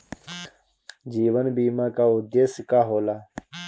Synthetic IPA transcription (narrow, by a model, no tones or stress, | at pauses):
d͡ʒiːʋənbiːmaːkaːʊd̪eːskaːɦoːlaː